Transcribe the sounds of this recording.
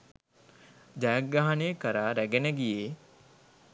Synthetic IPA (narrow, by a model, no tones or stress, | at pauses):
d͡ʒajɐk̚ɡːaɦɐneːkəɾaːɾæɡenəɡijeː